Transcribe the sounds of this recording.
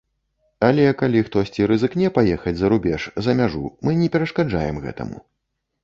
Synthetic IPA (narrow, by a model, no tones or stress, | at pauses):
ɐlʲɛkalʲixt̪ɔsʲt͡sʲiɾɨzɨknʲɛpajɛxɐd͡zʲzɐɾubʲɛʂzɐmʲaʐṵmɨnʲɛpʲɛɾɐʂkad͡ʐa̰jɛ̰mɣɛ̰t̪ɐ̰mṵ